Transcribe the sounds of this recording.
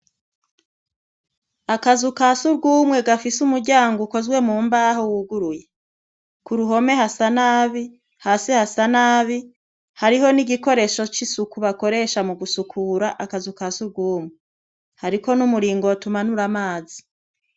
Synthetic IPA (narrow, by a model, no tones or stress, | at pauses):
akazukasuɾɡuːmŋe̞ɡafisumuɾɟaːŋɡuko̞zɡwe̞muːmbaːɦowuɡuɾuje | kuɾuɦo̞me̞hasanaːβi | haːsehasanaːβi | haɾiɦo̞niɟiko̞ɾe̞ːʃo̞t͡ʃisukuβako̞ɾe̞ːʃamuɡusukʰuːɾaʔakazukasuɾɡuːmŋe | haɾiko̞numuɾiːŋɡotumanuɾamaːzi